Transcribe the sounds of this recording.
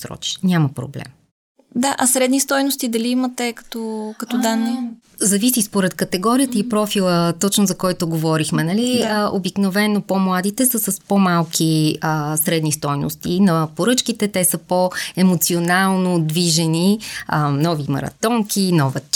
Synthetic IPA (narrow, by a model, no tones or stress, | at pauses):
sɾɔ̰t͡ʃi̥nʲaməpɾo̰blɛ̰m | d̪aʔɐsɾɛd̪nist̪ɔjnost̪id̪ɐliimɐt̪ɛkɐ̥t̪ɔkɐt̪ɔd̪anːi | zɐvisispoɾɛt̪kɐt̪ɛɡɔɾiət̪əipɾɔfilˠət̪ɔt͡ʃnozɐkɔjt̪oɡovɔɾixmɛnɐliəʔo̰biknovɛnːopomlˠad̪it̪ɛsəsɐspomalˠkʰiəsɾɛd̪nist̪ɔjno̰st̪ḭnɐpoɾɤt͡ʃkit̪ɛt̪ɛsəpoɛmot̪sionalˠnod̪viʒɛniənɔvimɐ̰ɾɐ̰t̪ɔŋkʰinɔvə